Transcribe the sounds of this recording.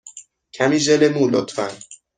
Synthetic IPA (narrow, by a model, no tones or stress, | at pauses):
cʰæmiːʒelemuːlo̰t̪fæn